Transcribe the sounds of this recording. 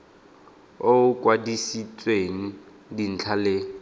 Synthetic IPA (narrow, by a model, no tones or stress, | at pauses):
oʊkʼwadisit͡sʼweŋ̩ | din̩t͡ɬʰalɪ